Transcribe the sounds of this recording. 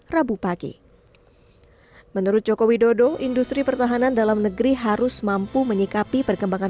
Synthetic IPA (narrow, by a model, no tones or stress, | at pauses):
rabupaɡḭ | mənuɾʊt̪̚d͡ʒokowidodoʔindust̪ɾipərt̪aɦanandalamnəɡɾiɦaɾʊsmampuməɲikapipərkəmbaŋa